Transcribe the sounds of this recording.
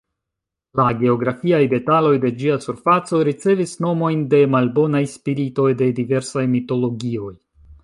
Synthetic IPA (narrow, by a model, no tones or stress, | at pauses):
laɡe̞o̞ɡɾafiajde̞talo̞jde̞d͡ʒiasuɾfat͡so̞ɾit͡se̞visno̞mo̞jnde̞malbo̞najspiɾito̞jde̞dive̞ɾsajmito̞lo̞ɡio̞j